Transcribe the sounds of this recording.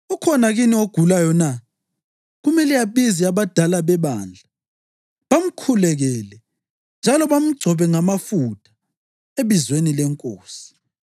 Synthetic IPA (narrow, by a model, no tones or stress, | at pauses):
ukʰɔnaɣinioɡ̥ʱulajɔna | ɣumɛlɛjaβiziaβad̥ʱalaβɛβa̰nd͡ɮʱa | βam̩kʰulɛɣɛlɛ | nd͡ʒʱalɔβam̩ɡ͡ǀʱɔβɛŋamafutʰʼḁ | eβizwenilɛŋkʼo̰ːsi̥